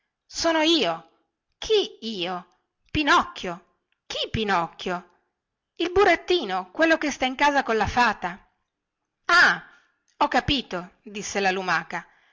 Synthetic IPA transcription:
soːnoiːo | kʰiiːo | pinɔkːjo | kipinɔkːjo | ilbuɾat̪ːiːnokwelːokest̪aiŋkaːzakolafaːt̪a | a | ɔkːapiːt̪od̪isːelalumaːka

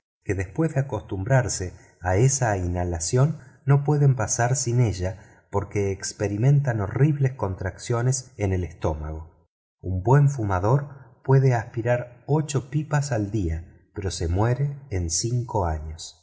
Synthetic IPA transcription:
ke̞ðespwe̞zðeako̞st̪umbɾaɾse | aesainalasjo̞nːo̞pwe̞ðe̞mpasaɾsine̞ʒa | po̞ɾke̞ːkspe̞ɾimẽ̞nt̪ano̞riβlesko̞nt̪ɾaksjo̞nesene̞le̞st̪o̞ma̰ɣ̞o̞ | umbwe̞ɱfumaðo̞ɾpwe̞ðeaspiɾaɾo̞t͡ʃo̞pipasald̪ia | peɾo̞se̞mwe̞ɾe̞ːnsiŋko̞aɲo̞s

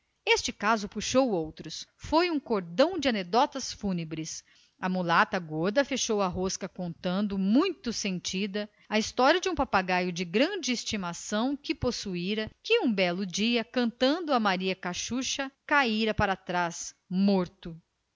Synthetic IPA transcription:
est͡ʃɪkazʊpuʃowowt̪ɾʊsfojũkoɾd̪ɐ̃w̃d͡ʒɪaned̪ɔt̪ɐsfunebɾɪs | ɐmulat̪ɐɡoɾd̪ɐfeʃowɐɦoskɐkõnt̪ɐ̃nd̪ʊmũj̃t̪ʊsẽnt͡ʃid̪ɐ | ɐist̪ɔɾiɐd͡ʒɪũpapaɡajʊd͡ʒɪɡɾɐ̃d͡ʒɪːst͡ʃimasɐ̃w̃kɪposuiɾɐkɪũbɛlʊd͡ʒiɐkɐ̃nt̪ɐ̃nd̪ʊɐmaɾiɐkaʃuʃɐkaiɾɐpaɾat̪ɾas | moɾt̪ʊ

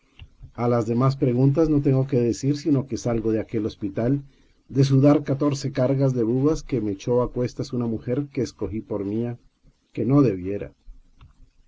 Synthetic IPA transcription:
alazðe̞mas̬pɾe̞ɣunt̪̬azno̞t̪̬e̞ŋɡo̞ke̞ðesiɾsino̞ke̞salɣo̞ðeake̞lo̞spit̪al | d̪e̞s̬uðaɾkat̪o̞ɾse̞kaɾɣazðe̞βuɣaske̞me̞t͡ʃo̞akwe̞st̪asunamuxe̞ɾke̞ːsko̞xipo̞ɾmia | ke̞no̞ðe̞βje̞ɾa̰

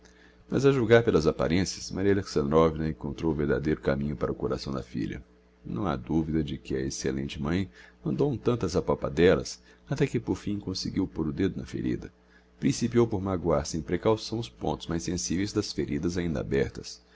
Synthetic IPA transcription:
mɐ̰zɐʒuɡaɾpelɐzapa̰ɾẽsiɐsmaɾiɐaleksɐ̃nd̪ɾɔvinɐẽŋkõnt̪ɾowveɾd̪a̰d̪ejɾʊkamĩɲʊpaɾɐʊkoɾasɐ̃w̃d̪ɐfḭʎɐ̰ | nɐ̰̃w̃a̰d̪uvid̪ɐd͡ʒɪkɪɐeselḛ̃nt͡ʃɪmɐ̃j̃nɐ̃d̪õt̪ɐ̃nt̪ɐzapapa̰d̪ɛlɐ̰s | at̪ɛkɪpoɾfĩj̃kõsɪɡiwpoɾʊd̪ed̪ʊnɐfḛɾḭd̪ɐ | pɾĩsipiowpoɾmaɡwaɾsẽj̃pɾekawsɐ̃w̃ʊspõ̰t̪ʊ̥zmajsẽsivejzd̪ɐsfeɾid̪ɐzaĩnd̪ɐa̰bɛɾt̪ɐs

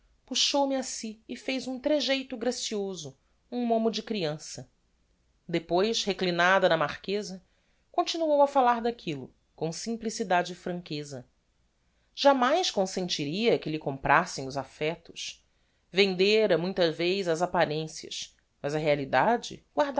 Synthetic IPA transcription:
puʃowmiasiːfejzũt̪ɾeʒejt̪ʊɡɾasiozʊ | ũmõmʊd͡ʒɪkɾiɐ̃sɐ | d̪epojʃheklinad̪ɐnɐmaχkezɐ | kõnt͡ʃinuowɐfalaɾd̪akʰilʊ̰ | kõw̃sĩmplisid̪ad͡ʒɪːfɾɐ̃ŋkezɐ | ʒ̥amajskõsẽnt͡ʃiɾiɐkɪlɪkõmpɾʔasẽj̃ʊzafɛt̪ʊ̥ʃ | vẽnd̪eɾɐmũj̃t̪ɐvejzɐzapaɾẽsiɐ̰ʃ | mɐzɐɦealid̪ad͡ʒɪ̰ɡwaɾd̪

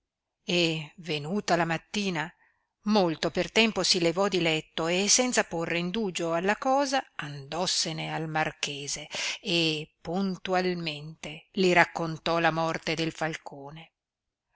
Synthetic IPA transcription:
evenuːt̪alamat̪ːiːna | molt̪opert̪ɛmposilevɔd̪ilɛt̪ːoesɛnt̪saporːeind̪uːd͡ʒoalːakɔːzaand̪ɔsːenealmarkeːzeː | punt̪ualment̪eliɾakːont̪ɔlamɔrt̪ed̪elfalkʰoːne

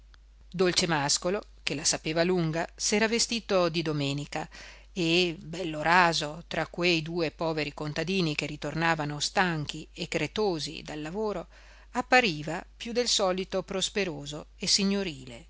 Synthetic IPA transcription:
d̪olt͡ʃemaskolo | kelasapeːvaluŋɡasɛːɾavest̪iːt̪od̪id̪omɛːnika | ebɛlːoɾaːzot̪ɾakːwejd̪uːepɔːveɾikont̪ad̪iːnik̟erit̪ornaːvanost̪aŋk̟iekːɾet̪oːzḭd̪alːavoːɾo | apːaɾiːvapjud̪elsɔːlit̪opɾospeɾoːzoesiɲːoɾiːle

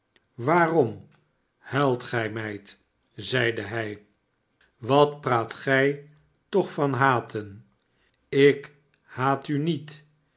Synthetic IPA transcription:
ʋaːrɔm | hɛlˠtχɛjmɛjt | zɛjdəɦɛj | ʋɑtpraːtχɛj | tɔχfɑnɦaːtʰən | ɪk | haːtynit

